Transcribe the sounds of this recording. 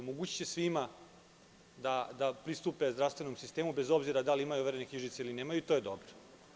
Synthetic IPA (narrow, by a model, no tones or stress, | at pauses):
moɡuːt͡ɕi̥t͡ɕesʋima | d̪ad̪apɾist̪upezd̪ɾaʋst̪ʋe̞nomsist̪e̞ːmube̞zo̞bziɾad̪aliimajuʋeɾenekɲiʒit̪seilineːmajuit̪o̞jed̪o̞bɾo̥